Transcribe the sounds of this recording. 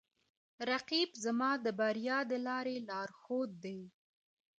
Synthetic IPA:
ɾaqibzamɑd̪əbaɾjɑd̪əlɑɾelɑɾxod̪̚ːej

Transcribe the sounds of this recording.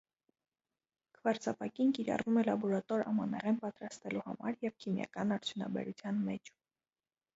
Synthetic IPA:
kʰəvɑɾt͡sʰɑpɑkinkiɾɑ̰rumɛlɑbɔɾɑt̪ɔɾɑmɑnɛʁɛnpɑt̪ɾɑst̪ɛluhɑ̰mɑ̰ɾjɛvkʰimjɑ̰kɑnɑɾt͡sʰjunɑ̰bɛ̰ɾut͡sʰjɑnmɛt͡ʃʰ

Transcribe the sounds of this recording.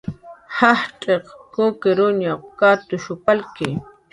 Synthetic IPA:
hahʈ͡ʂʼeqkʊkɪɾʊɲaqkat̪ʊʃʊpalkɪ

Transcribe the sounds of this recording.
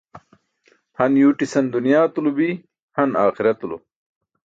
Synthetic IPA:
hɐnjuːʈisɐnd̪unjaːt̪ulubi | hɐnaːxiɾɐt̪ulṵ

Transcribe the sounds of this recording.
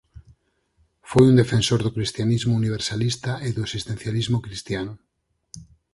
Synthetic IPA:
fojund̪efensoɾðʊkɾist̪janizmʊuniβ̞eɾsalist̪aʔeðoesist̪ẽn̟θjalizmokɾist̪janʊ

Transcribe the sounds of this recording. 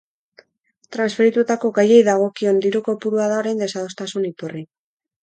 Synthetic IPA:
t̪ɾansfe̞ɾit̪ut̪ako̞ɣaje̞jðaɣ̞o̞kio̞nd̪iɾuko̞puɾuaðaoɾe̞nd̪e̞sað̞o̞st̪asunit̪uri

